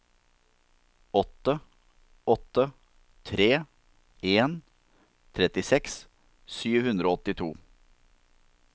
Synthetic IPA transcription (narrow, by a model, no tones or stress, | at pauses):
ɔt̪ə | ɔt̪ːə | t̪ʰɾeː | eːn | t̪ʰɾɛt̪ɪsɛks | syːʋhʉnd̪ɾoːɔt̪ɪt̪ʰṵː